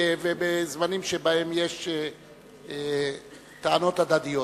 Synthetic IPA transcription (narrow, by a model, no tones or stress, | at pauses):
vebezmanimʃebae̞mje̞ʃe | t̪aano̞t̪ad̪ad̪ijo